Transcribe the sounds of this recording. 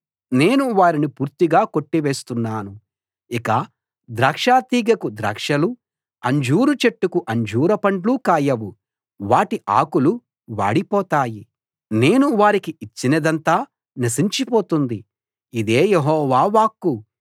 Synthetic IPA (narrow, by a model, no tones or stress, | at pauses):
ne̞ːnuʋaːɾinipuːɾt̪iɡaːko̞ʈːiʋeːst̪unːaːnu | ikɐ | d̪ɾaːkʂaːt̪iːɡɐkud̪ɾa̰ːkʂɐlu | ɐɲd͡ʒuːɾut͡ʃeʈːukuʔɐɲd͡ʒuːɾɐpɐɳʈluːkaːjɐʋu | ʋaːʈiʔa̰ːkulu | ʋa̰ːɽipɔːt̪aːji | ne̞ːnuʋaːɾikiit͡ʃːinɐd̪ɐnt̪aː | nɐsiɲt͡ʃipoːt̪und̪i | id̪e̞ːjeɦɔːʋaːʋaːkːu